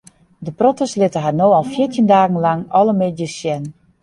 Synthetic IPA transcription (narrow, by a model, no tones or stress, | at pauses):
dəprotəslɪtəɦanoːɔlˠfiərtəndaːɣn̩laŋɔləmedjəsjɛn